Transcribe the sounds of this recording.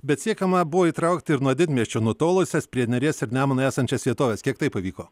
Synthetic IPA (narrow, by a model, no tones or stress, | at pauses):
bʲɛt̪sʲiɛkɐmɐbʊʋoːiːt̪ɾɐˑʊkt̪ʲɪɪɾnuɔd̪ʲɪd̪ʲmʲiɛsʲt͡ʃʲoːnuɔt̪oːlˠʊsʲɛspʲɾʲiɛnʲɛɾʲiɛsɪɾnʲæːmɐnoæːsɐnʲt͡ʃʲɛsʋʲiɛt̪oːʋʲɛskʲiɛkt̪ɐɪpɐʋʲiːkoː